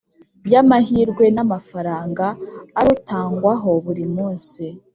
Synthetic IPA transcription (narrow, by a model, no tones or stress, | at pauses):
bjamaɦiɾɡwe̞namafaɾaːŋɡaːɾutaːŋɡwaɦo̞βuɾimuːnsi